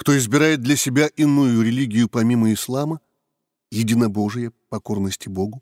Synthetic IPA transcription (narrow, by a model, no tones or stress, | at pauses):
kt̪o̞ɪzbʲɪɾajɪt̪̚d̪lʲɐsʲɪbʲaʔɪnːujʊɾʲɪlʲiɡʲɪjʊpɐmʲiməɪslˠamə | jɪdʲinɐbo̞ʐɨjəpɐko̞rnəsʲtʲɪbo̞ɡʊ